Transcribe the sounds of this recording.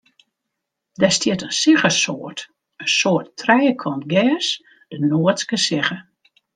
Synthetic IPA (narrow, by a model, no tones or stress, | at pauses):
dɛstjɪtənsɪɣəsoərt | ənsoərtrɛjəkʰɔntɡɛːs | d̥ənoətskəsɪɣə